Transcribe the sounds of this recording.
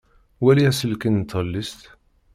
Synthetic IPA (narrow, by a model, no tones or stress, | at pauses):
wæliæsəlkint̪ʰːəlːist̪